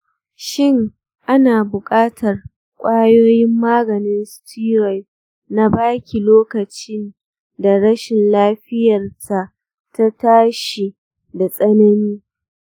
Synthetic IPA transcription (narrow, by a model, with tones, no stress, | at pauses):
ʃɪ˦˨ŋ | ʔa˦naː˨bʊ˨kʼaː˦tʰɐ˨r | kʷʼaː˦joː˦jɪ˦mːaː˦ɡɐ˨nɪ˦nstʰiː˦ɾɔ˨j | na˦baː˦kʲʰi˨loː˦kɐ˨t͡ʃɪ˦n | da˨ɽɐ˦ʃɪ˨nlaː˦ɸɪ˦jɐ˨rta˨ʔ | ta˦taː˦ʃi˨ | da˨sʼɐ˦nɐ˦niː˦